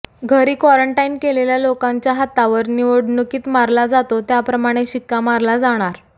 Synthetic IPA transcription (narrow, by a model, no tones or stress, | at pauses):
ɡʱəɾiːkʋaɾəɳʈainkeleljalokaɲt͡ɕjaɦat̪ːaʋəɾniʋoɽnukiːt̪maɾlad͡zat̪ot̪japɾəmaɽ̃eɕikːamaɾlad͡zaɽ̃aɾ